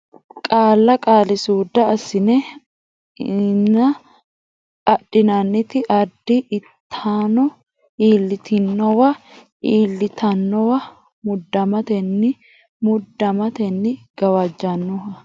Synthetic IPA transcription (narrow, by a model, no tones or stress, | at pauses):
kʼaːlːɐkʼaːlɪsuːd̪ɐːsɪnɛ | nɐ | ɐɗːɪnɐnːɪt̪ɪʔɐd̪ːɪʔɪt̪ʰːaːnɔ | iːlːɪt̪ɪnːɔwɐ | iːlːɪt̪ʰɐnːɔwɐ | mʊd̪ːɐmɐt̪ɛnːɪ | mʊd̪ːɐmɐt̪ɛnːɪɡ̥ɐwɐd͡ʒːɐnːɔhɐ